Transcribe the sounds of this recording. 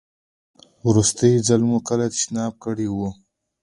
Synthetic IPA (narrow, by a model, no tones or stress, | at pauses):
wɾust̪əjizalmukəlat̪ʃnɑːb̚kəɽiwu